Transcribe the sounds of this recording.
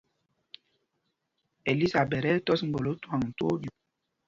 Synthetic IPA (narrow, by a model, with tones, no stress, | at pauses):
e˨li˦sa˨bɛ˨ɾɛ˦tɔ˦sŋ̩˦ɡ͡bo˨lo˦twa˨ŋ̩˨to˦dju˨